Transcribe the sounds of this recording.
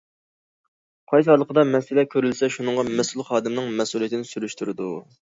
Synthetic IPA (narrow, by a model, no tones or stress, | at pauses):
qʰɑjsɨhlˠəqʰəd̪ɑmɛsɪlɛkʲʰøɾylsɛʃunɨɴʁɑmɛsulˠχɑːd̪ɪmnɨŋmɛsulˠijet̪ʰɪnɪsyɾyʃt̪yɾɪd̪u